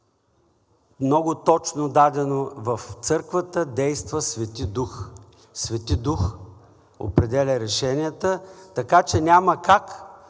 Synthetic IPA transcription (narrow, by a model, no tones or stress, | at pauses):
mnɔɡʊt̪ɔt͡ʃnod̪ad̪ɛnovəft̪sɤɾkvət̪əd̪ɛjst̪vəsvɛt̪id̪ux | svɛt̪id̪ux | o̰pɾɛd̪ɛlʲəɾɛʃɛniət̪ət̪ɐkat͡ʃɛnʲaməkak